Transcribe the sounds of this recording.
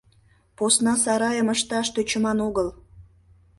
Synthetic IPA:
posnɑsɑɾɑjəməʃt̪ɑʃt̪øt͡ɕəmɑnoɣəl

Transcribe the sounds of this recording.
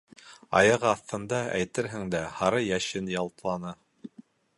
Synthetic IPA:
ɑ̰jɑʁɑθt̪ɤ̆nd̪ɑæjt̪ɘɾɦɘ̆ŋd̪æhɑɾɤjæʃɘnjɑlˠt̪lˠɑnɤ

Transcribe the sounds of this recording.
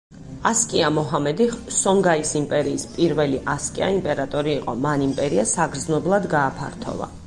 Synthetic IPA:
askʼiamɔɦamɛd̪iχsɔŋɡaisimpʼɛɾiːspʼiɾvɛliʔaskʼia̰impʼɛɾat̪ʼɔɾiːqʼɔmanimpʼɛɾiasaɡɾd̪znɔblˠad̪ɡaːpʰa̰ɾt̪ʰɔ̰va̰

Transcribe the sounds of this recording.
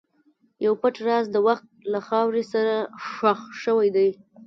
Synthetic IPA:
jawpaʈɾɑzd̪əwaxt̪̚laxɑwɾesaɾaʂaxʃəwajd̪aj

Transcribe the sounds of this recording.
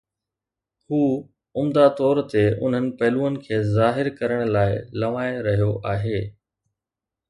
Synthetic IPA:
huː | ʊmd̪at̪ɔːɾt̪eʔʊ̰n̤ɦənɪ̆pɐɦluːənɪ̆kʰeːzaːɦɪɾkɐɾəɽ̃laːɪlɐʋaːɪɾɐɦijoʔaːɦeː

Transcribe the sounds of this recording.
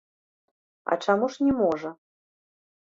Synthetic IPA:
ɐ̰t͡ʂamuʂnʲɛmɔʐɐ

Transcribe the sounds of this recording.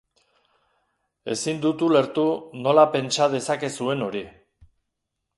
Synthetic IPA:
e̞̰sind̪ut̪ule̞ɾt̪uno̞lape̞nt͡ʃað̞e̞sake̞sue̞no̞ɾi

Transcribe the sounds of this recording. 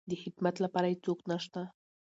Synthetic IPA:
d̪əħɪd̪mat̪lapɑɾajit͡soknaʃt̪a

